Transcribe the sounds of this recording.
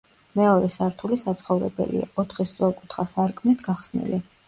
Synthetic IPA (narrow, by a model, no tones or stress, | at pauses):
mɛɔɾɛsaɾt̪ʰulisat̪sʰχɔvɾɛ̰bɛ̰lḭaɔt̪ʰχist̪sʼwɛlˠkʼut̪ʰχasaɾkʼʰmnit̪ʰɡaχsnḭli